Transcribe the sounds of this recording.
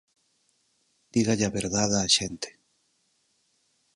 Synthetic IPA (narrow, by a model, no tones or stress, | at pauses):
d̪̥iɣaʎaβeɾðaðaːʃent̪e̥